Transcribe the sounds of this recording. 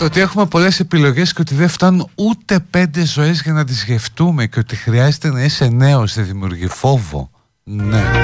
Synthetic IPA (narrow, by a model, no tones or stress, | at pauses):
t̪ot̪ie̞xume̞po̞le̞se̞pilo̞ʝe̞sceot̪iðeft̪ɐnunut̪e̞pe̞nd̪e̞zo̞e̞zʝɐnɐt̪̬izʝe̞ft̪ume̞ceo̞t̪ixɾiɐzet̪e̞nɐise̞ne̞osðeðimiuɾʝifo̞vo̞̰ | ne̞